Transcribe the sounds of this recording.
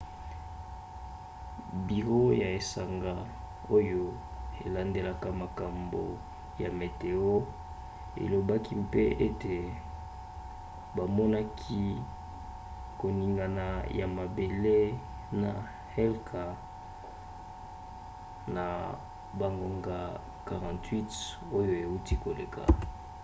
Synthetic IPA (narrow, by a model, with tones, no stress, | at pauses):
bi˨ʁo˦ja˨e˨sa˨ŋɡa˦ | o˦jo˦ | e˨la˦nde˦la˦ka˦ma˨ka˨mbo̰˨ | ja˨me˨te˨o˦ | ḛ˨lo˨ba˦ki˦mpe˦e˦te˨ | ba˨mɔ˦na˦kʰi˦ | ko˨ni˨ŋɡa˨na˨ja˨ma˨be˨le˦ | na˨ | hɛ˦lkʰa˨ | na˨ | ba˨ŋɡo˨ŋɡa˨ | ka˨ʁã˨ntwi˦t | o˦jo˦e˨u˦ti˦ko˨le˨kʰa̰˨